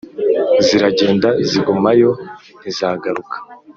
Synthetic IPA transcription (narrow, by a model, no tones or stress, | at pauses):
ziɾaɟe̞ːndaziɡumajo̞ | nizaːɡaɾukḁ